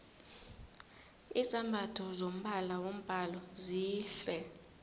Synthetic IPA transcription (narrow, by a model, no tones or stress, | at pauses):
isambʱatʰɔzom̩ɓalawom̩b̥ʱalɔziːɬɛ